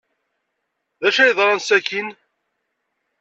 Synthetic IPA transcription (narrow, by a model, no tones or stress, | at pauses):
ðæʃæjðˤɾˤɑnsækin